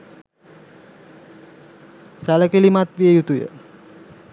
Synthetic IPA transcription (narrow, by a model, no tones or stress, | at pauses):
saləkelimat̪ʋiəjut̪ujə̰